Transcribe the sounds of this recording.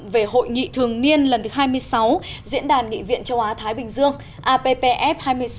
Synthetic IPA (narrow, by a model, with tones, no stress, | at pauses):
ve˨˩ɦo̰˧˨jŋḭ˧˨t̪ʰɨ˨˩əŋni˧ənlə˨˩nt̪ɨ˨˦ɦaː˧jmɨ˧əjsa˨˦w | zḭ˧˥ənɗaː˨˩nŋḭ˧˨vḭ˧˨ənt͡ɕə˨˦wʔaː˨˦t̪ʰaː˨˦jɓï˨˩ŋ̟zɨ˧əŋ | ʔaː˧pe˧pe˧ʔɛ˦˥p̚haː˧jmɨ˧əj